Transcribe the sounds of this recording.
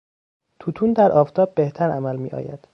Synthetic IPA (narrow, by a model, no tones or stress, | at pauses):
t̪ʰut̪ʰuːnd̪æɾʔɒːft̪ʰɒːb̚ːe̞ht̪ʰæɾæmælmḭːʔɒ̰ːjæ̰d̪̥